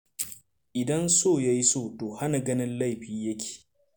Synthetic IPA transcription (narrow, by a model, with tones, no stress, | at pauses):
ʔɪ˨dɐ˦nsoː˦˨ja˦ji˦soː˦˨toː˨ha˦na˨ɡɐ˦nɪ˦nla˦jɸiː˦jɐ˦kʲʰe̥ː˨